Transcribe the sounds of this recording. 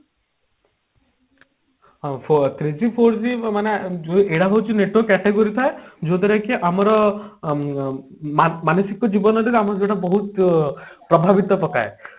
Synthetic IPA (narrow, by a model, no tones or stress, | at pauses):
ɦpʰot̪ɾid͡ʒipʰoɾd͡ʒimaned͡ʒoʔeɽaɦowt͡ʃʰineʈokɛʈeɡoɾit̪ʰaed͡ʒot̪ɔɾɛkeʔamɔɾɔ | mamanosikɔd͡ʒibɔnɔt̪it̪amɔɾd͡ʒeʈabɔɦut̪ | pɾɔbʱaʋit̪ɔpɔka̰e